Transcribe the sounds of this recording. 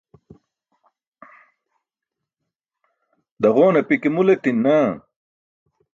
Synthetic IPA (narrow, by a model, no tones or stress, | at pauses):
d̪ɐʁoːnɐpikimulet̪inːa